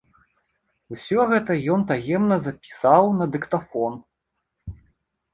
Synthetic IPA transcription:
usʲɔɣɛt̪ɐjɔnt̪ajɛmnɐzɐpʲi̥sawnɐd̪ɨkt̪afɔn

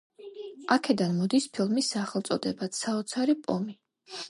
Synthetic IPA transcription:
akʰɛd̪anmɔd̪ispʰilˠmisːaχɛlˠt̪sʼɔd̪ɛbat̪saɔt̪sʰaɾipʼɔmi

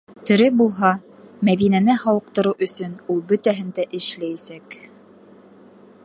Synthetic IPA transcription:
t̪ɵ̆ɾɘbulˠɦɑ | mæðinænɘhɑwɤ̆q̚t̪ɤ̆ɾɤwʔɵ̆sɵnulˠbɵt̪æɦɘnd̪æʔɘ̆ʃlæjæsæk

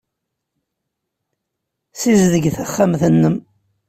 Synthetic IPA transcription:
sizðəɡθæχːamθənːəm

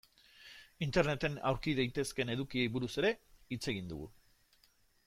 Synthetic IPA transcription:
int̪e̞ɾne̞t̪e̞na̰wɾkiðajt̪e̞ske̞ne̞ð̞ukie̞jβuɾuse̞ɾe̞it͡se̞ɣ̞ind̪ṵɣṵ

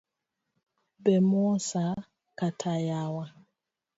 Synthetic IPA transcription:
bɛmɔsa | katʰajawa

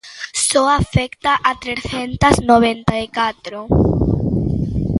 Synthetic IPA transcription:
sɔafɛkt̪aʔat̪ɾeθent̪ɐznoβent̪aikat̪ɾo

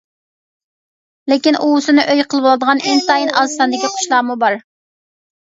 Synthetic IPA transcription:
lɪkʲinʔuusɨnɨʔøjqʰəlˠɨbolˠɨd̪əʁɑneŋt̪ɑjinʔɑzɨ̥sɑnd̪ɪkʲiqʰʊ̥ʃlˠɑːmubɑɾ

